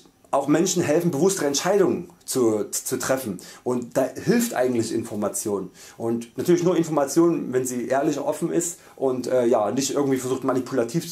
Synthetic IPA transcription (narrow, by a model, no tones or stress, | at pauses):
ʔaʊxmɛnʃn̩ɦɛlfn̩bəvʊstəʁəɛntʃaɪdʊŋnt͡sut͡sutʁ̥ɛfn̩ʔʊntd̥aːhɪlftʔa̰ɪɡŋ̩tlɪçɪ̰nfɔɐmat͡sjoːn | ʔʊntnatʰyːɐlɪçnuːɐɪnfɔɐmat͡sjoːnənvɛnziːʔeːɐlɪçʔɔfn̩ɪ̰st | ʔʊntʔɛːjaːnɪçtʔɪɐɡŋ̩tv̥iːfɛɐzuːxtmanipʰulatʰiːf